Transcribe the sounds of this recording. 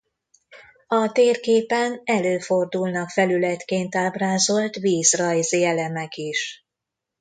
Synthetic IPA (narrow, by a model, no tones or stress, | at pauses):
ɒt̪eːrkeːpɛnɛløːfo̞rd̪ulnɒkfɛlylɛt̪keːnt̪aːbraːzo̞lt̪ʋiːzrɒjzeɛlɛmɛkiʃ